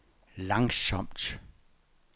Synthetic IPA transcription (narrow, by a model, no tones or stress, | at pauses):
läŋsɒmd̥